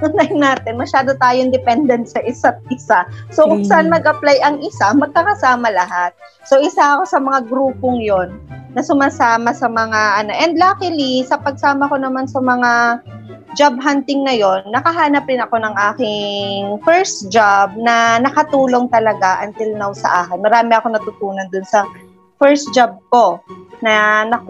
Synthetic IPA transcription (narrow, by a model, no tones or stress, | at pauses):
ʊnajnaːt̪ɪnmɐʃaːd̪o̞t̪aːjoŋd̪ɛpɛnd̪ɛnt̪̚sɐʔɪsat̪̚ɪsasokʊɡsɐʔanmɐɡʔɐplajɐŋʔɪsamɐɡ̚kɐkɐsaːmɐlɐɦat̪̚ | so̞ʔɪsaʔɐko̞sɐmɐŋaɡɾuːpo̞ŋjo̞nːɐsʊmaːsaːmɐsɐmɐŋaʔɐno̞ʔɛnd̪̚laːkɪlisɐpɐɡ̚saːmɐko̞nɐmansɐmɐŋa | d͡ʒab̚ɦant̪ɪŋnɐjo̞nnːɐkɐɦaːnɐpɾɪnɐko̞nɐŋʔaːkɪŋfɛɹsd͡ʒab̚nɐnɐkɐt̪uːlo̞ŋt̪ɐlɐɡaʔɐnt̪ɪlnɐwsɐ̰ʔaːkɪnmɐɾaːmɪɐko̞nɐt̪ʊt̪uːnɐnd̪ʊnsɐ | fɛɹsd͡ʒab̚ko̞nɐnɐ